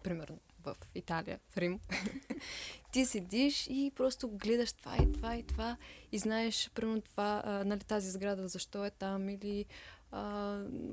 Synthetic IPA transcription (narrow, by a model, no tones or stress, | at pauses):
pɾimɛɾno | vɐ̰fit̪alḭjə̰fɾim | t̪isɛd̪ʲiʃipɾɔst̪ʊɡlɛd̪ɐʃt̪ova̰it̪ovait̪ovaiznaɛʃpɾimɛɾnot̪ovanɐlit̪azizɡɾad̪əzɐʃt̪ɔɛt̪amiliə